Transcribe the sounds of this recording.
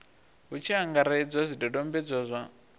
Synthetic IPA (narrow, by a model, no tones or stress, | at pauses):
ɦut͡ʃʰiaŋɡaɾaid͡zazʷidɔdɔmbɛd͡zɔzʷa